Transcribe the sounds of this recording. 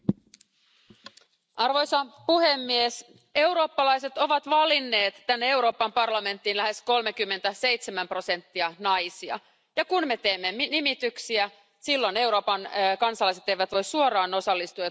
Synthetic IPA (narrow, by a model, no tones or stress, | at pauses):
ʔɑrʋo̞jsɑpuhe̞mːies | e̞wɾo̞ːpːɑlɑjse̞t̪o̞ʋɑt̪ʋɑlinːe̞ːt̪ːænːee̞wɾo̞ːpɑmpɑrlɑme̞nt̪ːinlæɦe̞sko̞lmek̟ymːe̞nt̪æse̞jt̪semæmpro̞se̞nt̪ːiɑnɑjsiɑ̰ | jɑkunme̞t̪e̞ːmːemnimit̪yksiæ | silːo̞ne̞wɾo̞ːpɑnkɑnsɑlɑjse̞t̪ːejʋæt̪ʋo̞jssuoɾɑːno̞sɑlːist̪uɑ